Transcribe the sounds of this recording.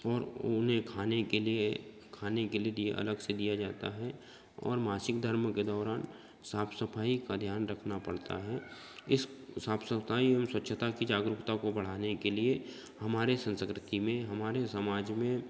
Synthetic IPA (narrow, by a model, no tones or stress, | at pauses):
ɔːɾʊnɦẽkʰaːnekelie | kʰaːnekelied̪ieʔɐ̰ləɡsed̪ijad͡ʒaːt̪a̰ɦɛ | ɔ̰ːɾmaːsɪkd̪ʱəɾmked̪ɔːɾaːn | saːpʰsəpʰaːikad̪ʱjaːnɾɐkʰnapɐɽt̪a̰ɦɛː | ɪssaːpsəpaːiəmswətːʃʰət̪akid͡ʒaːɡɾʊkt̪akobɐɽ̤aːnekelie | hɐmaːɾesə̃nskɾɪt̪imẽɦɐmaːɾesəmaːd͡ʒmẽ